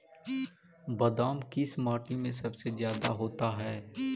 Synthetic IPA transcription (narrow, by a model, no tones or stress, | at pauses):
bɐd̪aːmkɪsmaːʈimẽsɐbsezjaːd̪aɦoːt̪aɦɛː